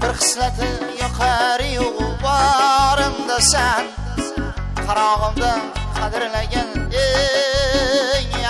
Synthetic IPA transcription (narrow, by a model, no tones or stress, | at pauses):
bɪɾqʰɨ̥smat̪ʰɪjɒqʰɑɾɪjoʁʊbɑɾɪmd̪asan | qʰɑɾɒʁɨmd̪aqʰɑd̪ɪɾlaɡʲane | ŋ